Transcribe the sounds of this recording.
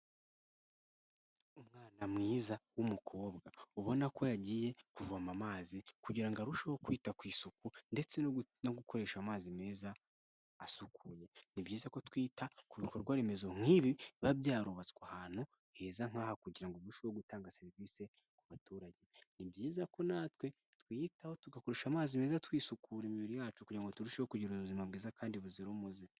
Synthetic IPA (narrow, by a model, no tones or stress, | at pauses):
umŋaːnamŋiːzawumukʰo̞ːbɡauβo̞nako̞jaɟiːje̞kuvuamamaːzikuɟiɾaŋɡaɾuʃohokwiːtakwiːsukunde̞t͡se̞no̞ɡuko̞ɾe̞ʃamaːzime̞ːzaː | sukʰuje̞nibɟiːzako̞twiːtakuβikoɾɡwaɾe̞me̞zo̞ŋ̥iβiβabɟaːɾoβat͡skwahaːn̥hu | he̞ːzaŋ̥aːhakuɟiɾaŋɡoβuʃowo̞ɡutaːŋɡase̞ɾiviːse̞ | kuβatuːɾaɟe̞nibɟiːzako̞naːtwe̞ | twitaho̞tuɡakoɾe̞ʃamaːzime̞ːzatwiːsukuɾemiβiɾijaːt͡ʃukuɟiɾaŋɡo̞tuɾuʃehokuɟiɾuβuzimabɡiːzakaːndiβuziɾomuze